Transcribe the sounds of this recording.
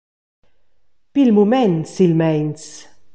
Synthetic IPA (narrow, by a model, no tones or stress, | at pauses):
b̥ɪlmʊmɛnt̪sɪlmɛjns